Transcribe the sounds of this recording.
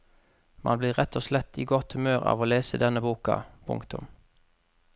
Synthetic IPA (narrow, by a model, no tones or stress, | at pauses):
mʔɑ̰nbliːʁʁɛt̪ʰːoːslɛt̪ʰːiːɡɔt̪hʉmøːʁɑ̰ːʋoːleːsəd̪ɛnːəbuːkɑ̰pʰʊ̰ŋkt̪ʊm